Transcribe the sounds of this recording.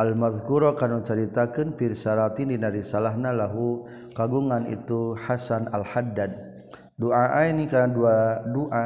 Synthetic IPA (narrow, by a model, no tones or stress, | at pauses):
ʔalmaðkuɾɔkanut͡ʃəɾit̪akɨnfiɾsaɾat̪indinaɾisalaɦnalaɦu | kaɡuŋanḭt̪uħasanalħadːad̪̚ | doʔaʔainikaaduadoʔa